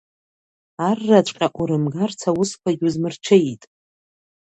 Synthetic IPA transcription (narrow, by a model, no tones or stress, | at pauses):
arːat͡ʃʷʼqʲʼaʔʷuɾɨmɡart͡sʰawʊskʷʰaɡʲuzmɨrt͡ʃʷʰeitʼ